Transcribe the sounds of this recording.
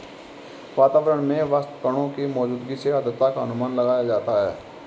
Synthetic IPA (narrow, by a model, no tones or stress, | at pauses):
ʋaːt̪aːʋəɾəɽ̃mẽʋəst̪kəɽ̃õkimɔːd͡ʒuːd̪ɡiseəd̪ət̪ːakaɦənʊmaːnlɐɡaːjad͡ʒaːt̪aɦɛ̰ː